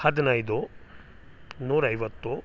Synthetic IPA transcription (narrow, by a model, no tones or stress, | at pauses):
hɐd̪inɐjd̪u | nuːɾɐɐjʋɐt̪ːu